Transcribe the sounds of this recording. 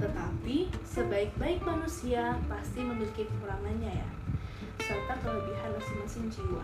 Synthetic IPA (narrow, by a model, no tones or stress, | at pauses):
t̪ət̪apisəbaɪk̚baɪk̚manusiapast̪iməniɾkipəuɾamanɲaja̰ | sərt̪akələbiɦanmasɪŋmasɪŋd͡ʒiwa̰